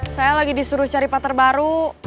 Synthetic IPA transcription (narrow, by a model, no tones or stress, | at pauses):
sajalaɡidisuɾuht͡ʃaɾipat̪ərbaɾu